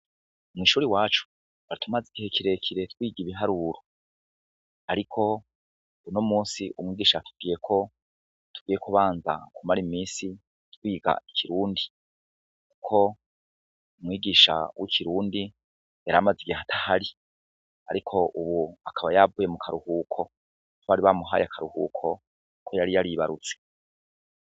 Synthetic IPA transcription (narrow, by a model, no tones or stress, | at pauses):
mŋwiːʃuːɾiwaːt͡ʃu̥ | aɾitʰumaziɡihekiɾe̞kʰiɾe̞twiːɡiβiɦaɾuːɾo | aɾikʰo̞ | unomuːnsiʔumŋiːɡiːʃatuv̥̚ɡiːje̞kʰo̞ | tu̥ɡiːje̞kuβaːnza̰kumaɾimiːsi | twiːɡa̰ikʰiɾuːndi | ku̥kʰo̞ | umŋwiːɡiːʃa̰wʔikʰiɾuːndi | jaɾamaziɡaatʰahaɾi | aɾikʰo̞ʔuβuakʰaβajavuːje̞mukʰaɾuhuːkʰo̞ | βaɾiβamuɦa̰jakʰaɾuhṵːkʰo̞ | kʰojaɾijaɾiβaɾut͡se̥